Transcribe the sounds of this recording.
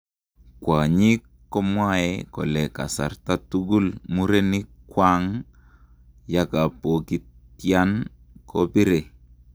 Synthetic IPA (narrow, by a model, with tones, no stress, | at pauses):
kwa˨ɲi˦kː | ɔ˦mwa˦ɛ˨kɔ̰˨lɛ˨ka̰˨sa̰˨ɾta˦tu˦ɡu˦lmu˦ɾe˦ni˦kwa˦ŋ | ja˦ka˨po˨ki˨˦ | ja˦n | kɔ˦bi˦ɾe˨